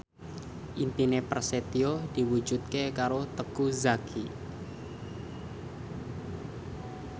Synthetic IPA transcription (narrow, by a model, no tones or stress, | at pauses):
ʔimpinepərset̪iod̪̥i̤wu̥d͡ʒut̪̚kekaɾot̪əkuzaɡ̥i